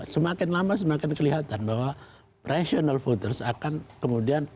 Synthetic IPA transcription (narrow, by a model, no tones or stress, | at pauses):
səmakɪnlamasəmakɪnkəliɦat̪anbaɦwa | pɾʔesionalfot̪əlsakankəmudian